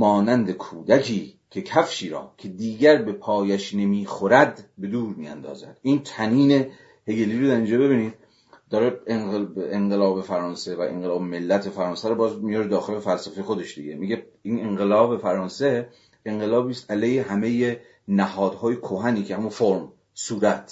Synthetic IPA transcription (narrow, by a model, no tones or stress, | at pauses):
mɒːnænd̪ekʰuːd̪ækʰiːkʰe̞kʰæfʃiːɾɒ̰ːkʰe̞d̪iːɟæɾbe̞pʰɒːjæʃne̞miːxoɾæd̪be̞d̪uːɾmiːæ̰nd̪ɒ̰ːzæ̰d̪ʔiːnt̪ʰæniːne̞ | heɡeliːɾod̪æɾind͡ʒɑːbe̞βiːnid | d̪ɒːɾeeeŋɢelɒːbe̞fæɾɒːnse̞væʔḛŋɢelɒːbeme̞lːæt̪ʰefæɾɒːnsæɾobɒːzmijɒɾed̪ɒːxelefælsæfe̞jexod̪e̞ʃd̪iɡe̞miɟe | iːneŋɢelɒːbe̞fæɾɒːnse | eŋɢelɒːbiːst̪ʔæleːjheɦæmeje | næhɒːd̪hɒːjekʰoɦæniːkʰeæmunfoɾm | suːɾæt̪ʰ